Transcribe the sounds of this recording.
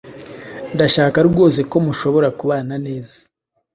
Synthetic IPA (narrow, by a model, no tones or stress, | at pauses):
ndaʃaːkaɾɾɡo̞ːs̬eko̞muʃo̞βo̞ɾakuβaːnane̞ːzḁ